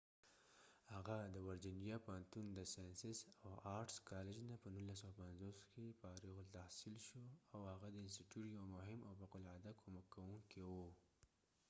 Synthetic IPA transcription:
haɣad̪əwaɾd͡ʒɪnijapahant̪und̪əsajansɪsawaɾʈskɑled͡ʒnapənunlːas̬awapanzoskepaɾiɣolt̪ahsilʃoawhaɣad̪əɪnsʈiʈjuʈjawmʊɦɪmʔawbaqʊlʕad̪akʰomakːawuŋkewu

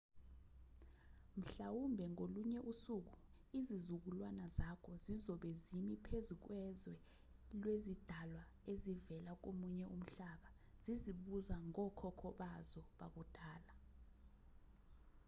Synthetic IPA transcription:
m̩ɬawumbʱɛŋoluɲɛʔusuːk̬u | izizuk̬ulwanazakʰɔzizɔɓɛzimipʰezuk̬wɛzwɛ | lwezid̥ʱalwa | ezivɛlak̬omuɲɛʔum̩ɬaɓa | z̥iziɓuzaŋɔkʰɔkʰɔɓazɔɓa̰k̬ud̥ʱaːla

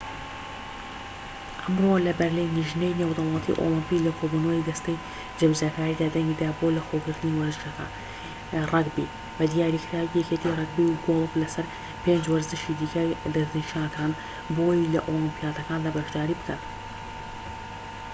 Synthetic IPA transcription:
ʔɐmrolɐbɐɾlijnːiʒnejnewd̪ɐwlˠɑt̪ʰḭʔo̰lˠɨmpilɐkʰobunəwjd̪ɐst̪ej | d͡ʒɐbzakaːɾiːd̪aːd̪ɐŋɡiːd̪aːbolɐxoːɡɨɾt̪ɨniwɐɾzɨʃɐka̰ | rˤɑɡbḭ | bɐd̪jaːɾikʰɾaːijɛket̪ʰiːrˤɑɡ̚biɡolˠɨklɐsɐɾ | pe̞nd͡ʒwɐɾzɨʃid̪iːkɐd̪ɐzniʃanɐkʰaːn | bojilɐʔolɨmpijaːt̪ɐkaːnd̪aːbɐʃd̪aːɾiːbɨkʰat̪

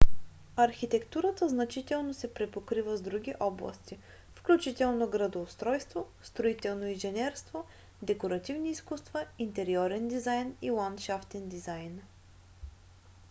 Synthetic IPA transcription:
ɐɾxit̪ɛkt̪uɾət̪əznɐt͡ʃit̪ɛlˠnosɛpɾɛpokɾivəzd̪ɾuɡʲiʔɔblˠɐ̰st̪i | fklʲut͡ʃit̪ɛlˠnoɡɾɐd̪oːst̪ɾɔjst̪vost̪ɾoit̪ɛlˠnoinʒɛnʲɛɾst̪vo | d̪ɛkoɾɐt̪ivniːskust̪vəint̪ɛɾiɔɾɛnd̪izajnilˠant̪ʃaft̪ɛnd̪izajn

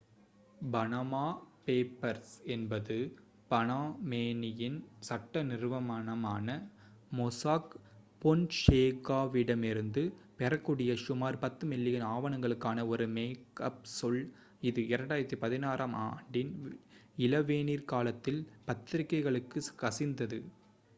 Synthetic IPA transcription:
bɐnɐmaːpeːpːɐɾsɛnbɐðɯ | b̥ɐnaːmeːnɪjɪnsɐʈːɐnɪɾɯʋɐmɐnɐmaːnɐ | mɔsaːk | pɔnʂeːkːaːʋiɽɐmɪɾɯnd̪ɯpɛɾɐkːuɽɪjɐʂʊmaːɾpɐt̪ːɯmɪlːɪjɪnaːʋɐɳɐŋɡɐɭɯkːaːnɐɔɾɯmeːkɐp̚sɔɭ | ɪðɯɪɾɐɳɖaːjɪɾɐt̪ːipɐðɪnaːɾɐmaːɳɖɪn | ɪlɐʋeːniːɾkaːlɐt̪ːɪlpɐt̪ːɪɾɪkːɐɪɣɐɭɯkːɯkɐsɪnd̪ɐðɯ

